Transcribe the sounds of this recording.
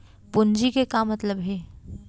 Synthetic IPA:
bʊnd͡ʒikekamɐt̪ləbɦɛː

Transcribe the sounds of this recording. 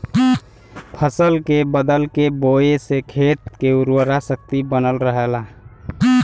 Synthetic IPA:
pʰəsəlkebəd̪əlkeboesekʰet̪̚keuɾwəɾasək̚t̪ibənəlɾəɦela

